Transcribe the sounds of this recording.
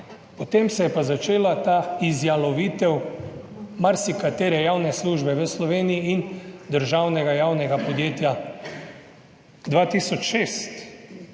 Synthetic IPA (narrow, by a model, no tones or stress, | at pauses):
pɔt̪emsɛjɛpazat͡ʃeːlat̪aːizjalɔʋiːt̪ɛw | maɾsikat̪eːɾɛjawnɛsluʒbɛʋəslɔʋeːnijiind̪əɾʒawnɛɡajaːwnɛɡapɔd̪jeːt̪ja | d̪ʋaːt̪isɔt͡ʃʃeːst̪